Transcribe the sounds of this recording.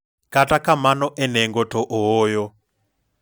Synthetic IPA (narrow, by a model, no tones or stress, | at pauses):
katʼakamanɔʔɛnɛŋɡɔtɔʔɔɦɔːjɔ